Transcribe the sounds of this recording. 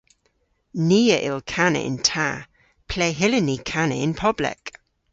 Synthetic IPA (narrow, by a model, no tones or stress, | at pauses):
niːəʔɪlkʰanə̰ʔɪ̰ntʰa | pʰl̥ɛːɦɪlənikʰanəɪnpʰɔblɛ̰k